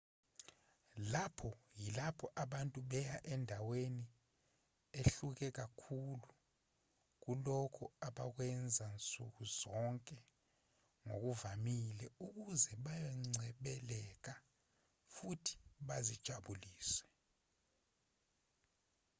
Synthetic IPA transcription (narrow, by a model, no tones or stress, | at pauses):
lapʰɔjilapʰɔʔaɓantʼuɓɛjaʔɛndʱaweni | eɬuk̬ɛk̬akʰulu | k̬ulɔkʰɔaɓak̬wɛnd͡zʱant͡sʼṵk̬uzɔŋkʼɛ | ŋo̰k̬uvamilɛuk̬uzɛɓajɔŋ͡ǀʱɛɓɛlɛk̬a | futʰi̥ɓazid̥ʒ̥ʱaɓuliːswɛ